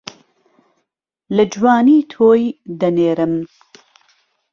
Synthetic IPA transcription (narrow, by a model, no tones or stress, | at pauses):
lɐd͡ʒwaːniːt̪ʰoːjd̪ɐneːɾɨm